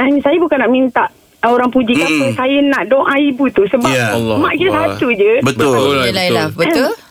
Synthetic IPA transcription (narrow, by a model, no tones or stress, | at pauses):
ansajabukanːaʔmĩnt̪aʔ | oɾaŋpud͡ʒikapənsajənãʔdɔŋʔãibut̪usəbamãʔkit̪asat̪ud͡ʒəbət̪lbə